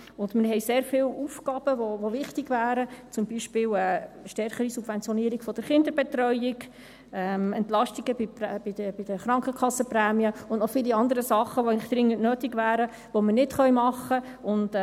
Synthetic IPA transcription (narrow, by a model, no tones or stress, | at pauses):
ʊndmɪɾɦɛjseːɾfɪːlufkɑːb̥əʋoʋoʋɪχtiɡvæːɾət͡sʊmbiʃpɪːlə | ʃtɛɾχəɾisub̥vɛnt͡sjɔniːəɾiɡ̥fɔd̥əɾχɪndəɾbɛt̪rœʏɪɡ | ɛmɛntlɑʃtiɡəbipɛb̥ɪdəbɪd̥əχɾɑŋkχəkχɑsːəprɛːmiəʊndnɔfɪliɑnd̪əɾəsɑχːəʋoæɪlɪχd̥ɾɪŋːəntnøːtiɡʋæːɾə | ʋomərnɪtχœɥmɑχːə | ʊnd